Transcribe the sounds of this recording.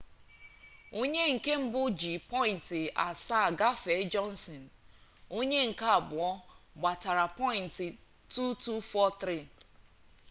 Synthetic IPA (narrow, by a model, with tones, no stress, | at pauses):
o˦ɲe˦ŋ̩˨ke˦m̩˦bʊ˦d͡ʒi˨pɔ˦ɪ˨n̩˨tɪ˨a˨saː˦˨ɡa˦fe˨˦d͡ʒɔ˦n˦sɔ˨n̩˨o˦ɲe˦ŋ̩˨ka˦a˨bʊ˨ɔ˦ɡ͡ba˨ta˨ɾa˨pɔ˦ɪ˨n̩˨tɪ˨ | tu˦tu˦fɔ˦t̪ɾi˦˨